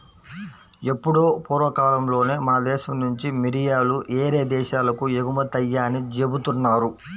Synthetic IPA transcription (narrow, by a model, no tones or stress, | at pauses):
e̞pːuɽoːpuːɾʋɐkaːlɐmlo̞ːne̞ːmɐnɐd̪ɛːʃɐmnuɲt͡ʃimiɾijaːluʔeːɾe̞ːd̪ɛːʃaːlɐkujeɡumɐt̪ɐjːaːnid͡ʒe̞but̪unːaːɾu